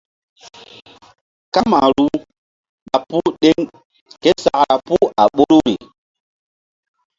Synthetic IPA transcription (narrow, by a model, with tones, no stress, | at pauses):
ka˦ma˨ɾu˦ | ɓa˨pu˦ɗe˦ŋ | ke˦sa˨ʔɾa˨pu˦a˨ɓo˦ɾu˦ɾi˨